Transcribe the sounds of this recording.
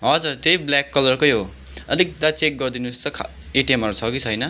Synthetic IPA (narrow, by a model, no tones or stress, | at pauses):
ɦʌd͡zurt̪ejblakːʌlʌrkʌjɦo | ʌlik̚d̪at͡sek̚ɡʌrd̪inust̪ʌkʰ | eʈiemɦʌɾut͡sʰʌkit͡sʰʌjnʌ